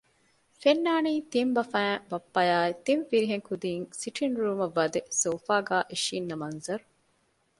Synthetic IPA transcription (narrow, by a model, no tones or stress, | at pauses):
fenːaːniːt̪imbɐfæ̃ːŋbɐpːɐjaːet̪iɱfiɾiɦeŋkʰud̪iːŋsiʈʰinɾuːmɐʋːɐd̪esoːfaːɡaːʔiʃiːnːɐmɐnzɐɾu